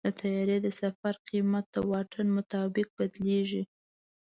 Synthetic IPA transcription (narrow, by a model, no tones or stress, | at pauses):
d̪̥ət̪ʰajɑɾed̪əsafaɾqimat̪̚d̪əwɑʈʰənmʊt̪ɑbɪq̚bad̪leʒi